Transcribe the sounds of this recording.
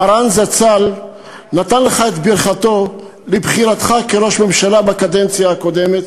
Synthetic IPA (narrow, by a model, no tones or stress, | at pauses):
aɾanzat͡sal | nat̪anleχaet̪biɾχat̪o̞ | lebχiʁat̪χakeʁo̞ʃme̞mʃalabakad̪ent͡sjaːko̞demet̪